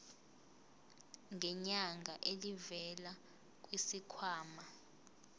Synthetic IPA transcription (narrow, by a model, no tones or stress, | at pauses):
ŋʱɛɲaŋɡʱaʔelivɛla | k̬ʼwisikʰwaːma